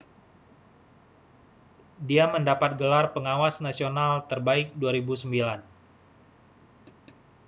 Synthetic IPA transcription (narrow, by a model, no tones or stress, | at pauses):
diaməndapat̪̚ɡəlarpəŋawasnasionalt̪ərbaɪk̚duaɾibusəmbilan